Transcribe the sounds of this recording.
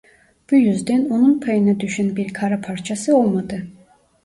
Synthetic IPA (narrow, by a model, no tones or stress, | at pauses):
b̥ujyzd̪ɛnonunpʰajɯnad̪yʃynbiɾkʰaɾapʰaɾt͡ʃʰasɯolˠmad̪ɯ